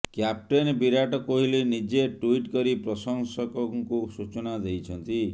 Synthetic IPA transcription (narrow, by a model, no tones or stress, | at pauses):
kjap̚ʈenbiɾaʈɔkoɦilenid͡ʒeʈuiʈkɔɾipɾɔsɔŋsɔkɔŋkusut͡ʃɔnad̪ejt͡ʃʰɔnt̪i